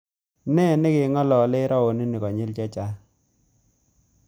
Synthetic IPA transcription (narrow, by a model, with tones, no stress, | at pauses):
nɛ˦˨nɪ˦kɪ˨˦ŋɔ˦lɔ˨lɪ˦ɾɔ˦o˨ni˦ni˨kɔ˨ɲɪ˦lt͡ʃɛ˦t͡ʃa˦